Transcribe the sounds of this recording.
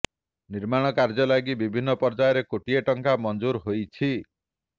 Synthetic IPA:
niɾmaɽ̃ɔkaɾd͡ʒɔlaɡibibʱinːɔpɔɾd͡ʒajɔɾekoʈieʈɔŋkamɔnd͡ʒuɾɦojt͡ʃʰi

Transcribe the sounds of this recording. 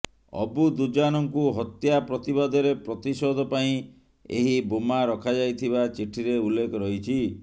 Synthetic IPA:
ɔ̰bud̪ud͡ʒanɔŋkuɦɔt̪japɾɔt̪ibad̪ʱɔɾepɾɔt̪isɔd̪ʱɔpaĩ | ḛɦibomaɾɔkʰad͡ʒajt̪ʰibat͡ʃiʈʰiɾeulːekʰɔɾɔɦit͡ʃʰi

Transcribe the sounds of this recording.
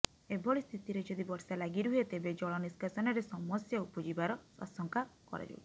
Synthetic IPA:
ebʱɔɭist̪ʰit̪iɾed͡ʒɔd̪ibɔɾsalaɡiɾuɦet̪ebed͡ʒɔɭɔniskasɔnɔɾesɔmɔsjɔupɔd͡ʒibaɾɔɔ̰sɔŋkakɔ̰ɾa̰d͡ʒṵw

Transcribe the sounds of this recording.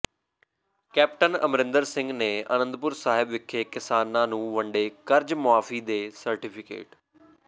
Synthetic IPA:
kɛːp̚ʈənə̰mɾɪ̃nd̪əɾsɪ̃ŋɡneːə̰nə̃nd̪̚pʊɾsaːɦɪbʋɪkʰːeːkɪsaːnːãːnũːʋəɳɖeːkəɾd͡ʒmʊaːfiːd̪eːsəɾʈɪpʰɪkḛːʈ

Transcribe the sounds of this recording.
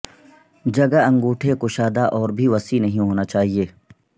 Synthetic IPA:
d͡ʒɐɡaɐ̃ŋɡuːʈʰekoʃaːd̪aʔɔːɾbʱiʋɐsinɐɦĩɦoːnat͡ʃaːɦieː

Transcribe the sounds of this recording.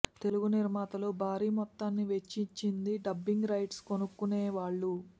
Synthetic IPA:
t̪e̞luɡuniɾmaːt̪ɐlubʱaːɾiːmɔt̪ːaːnːiʋe̞t͡ʃːiɲt͡ʃind̪iɖɐbːiŋɡɾɐjʈsko̞nukːuneːʋaːɭːu

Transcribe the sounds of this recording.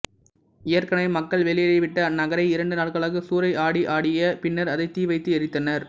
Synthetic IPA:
ɪjɐɾkɐnɐɪmɐkːɐɭʋɛɭɪjɐlɐɪʋɪʈːɐnɐɣɐɾɐɪɪɾɐɳɖɯnaːɭkɐɭɐɣɯsuːɾɐɪʔaːɽiʔaːɽɪjɐpɪnːɐɾɐðɐɪt̪iːʋɐɪt̪ːɯɛɾɪt̪ːɐnɐɾ

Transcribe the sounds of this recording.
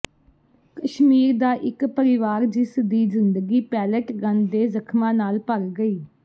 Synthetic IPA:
kəʃmiːɾd̪aːʔɪkpəɾɪʋaːɾd͡ʒɪsd̪iːzɪnd̪əɡiːpɛːləʈɡə̃nd̪eːzəkʰmãːnaːlpəɾɡəiː

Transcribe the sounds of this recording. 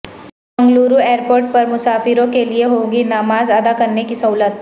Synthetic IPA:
ɐ̃ŋɡluːɾueːɾpoːɾʈ̚pɐɾmʊsaːfɪɾõkelieɦõːɡinaːmaːzad̪akɐɾnekisɐɦuːlət̪̚

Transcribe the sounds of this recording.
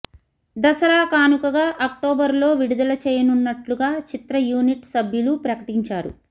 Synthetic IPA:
d̪ɐsɐɾaːkaːnukɐɡaːʔɐk̚ʈoːbɐɾlo̞ːʋiɽud̪ɐlɐt͡ʃɛːjɐnunːɐʈluɡaːt͡ʃit̪ɾɐjuːniʈsɐbʱjulupɾɐkɐʈiɲt͡ʃaːɾṵ

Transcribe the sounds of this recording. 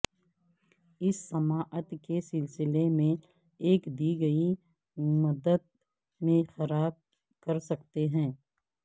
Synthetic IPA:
ɪsːɐmaːʔət̪kesɪlsɪlemẽ | eːkd̪iːɡɐi | mɐd̪əd̪̚ | mẽxɐɾaːb̚ | kɐɾsɐkt̪eɦɛ̃ː

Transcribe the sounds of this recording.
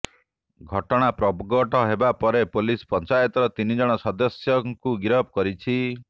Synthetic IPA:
ɡʱɔʈɔɽ̃apɾɔbɡɔʈɔɦebapɔɾepolispɔnt͡ʃajɔt̪ɔɾɔt̪inid͡ʒɔɽ̃ɔsɔd̪ɔsjɔŋkuɡiɾɔb̚kɔɾit͡ʃʰi

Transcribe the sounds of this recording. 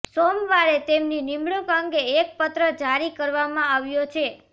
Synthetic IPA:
somʋaɭet̪emninimɭukəŋɡeːk̚pət̪ɾəd͡ʒaɾikəɾʋamãaʋjot͡ʃʰe

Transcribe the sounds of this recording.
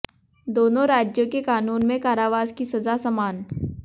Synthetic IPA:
d̪oːnõɾaːd͡ʒjõkekaːnuːnmẽkaːɾaːʋaːzkisɐzasɐmaːn

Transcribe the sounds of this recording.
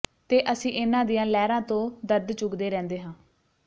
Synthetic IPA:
t̪eːʔəsĩːʔɪnãːd̪ijãːlɛːɾãːt̪õːd̪əɾd̪t͡ʃʊɡd̪eːɾɛ̃ːnd̪eːɦãː

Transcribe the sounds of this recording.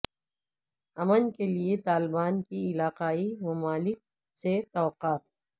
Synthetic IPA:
ɐmənkeliet̪aːlɪbaːnkiɪlaːqaːimʊmaːlɪk̚ | set̪ɔːqaːt̪

